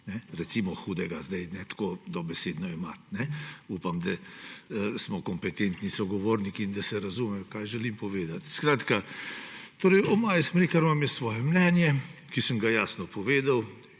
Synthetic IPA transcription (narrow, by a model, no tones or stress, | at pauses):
nɛɾɛsimɔxuːd̪ɛɡazd̪ɛjnɛt̪koːd̪ɔbɛseːd̪nɔimat̪nɛuːpamd̪a | smɔkɔmpɛt̪ent̪nisɔɡɔʋoːɾnikiind̪ɐsɛɾazumɛjɔkajʒɛlimpɔʋeːd̪at̪skɾaːt̪ka | t̪oːɾɛjɔmaːjɛsmɾikaɾmamjɛssʋɔːjɛmnɛnjɛkisəmɡajaːsnɔpɔʋeːd̪aw